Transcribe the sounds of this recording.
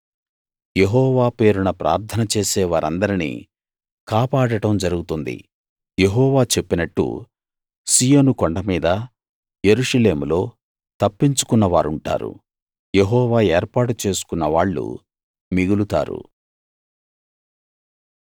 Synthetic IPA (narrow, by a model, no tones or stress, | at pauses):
jeɦɔːʋaːpe̞ːɾunɐpɾʔa̰ːɾt̪ʰɐnɐt͡ʃe̞ːsɛːʋaːɾʔɐnd̪ɐɾinḭ | kaːpaːɽɐʈɐmd͡ʒɐɾuɡut̪und̪ḭ | jeɦɔːʋaːt͡ʃe̞pːinɐʈːṵ | siːjoːnukoɳɖɐmiːd̪ɐ | je̞ɾuʂɐle̞ːmulo̞ː | t̪ɐpːiɲt͡ʃu̥kunːɐʋaːɾuɳʈa̰ːɾṵ | jeɦɔːʋaːeːɾpaːʈut͡ʃe̞ːsu̥kunːɐʋaːɭːṵ | miɡulut̪a̰ːɾṵ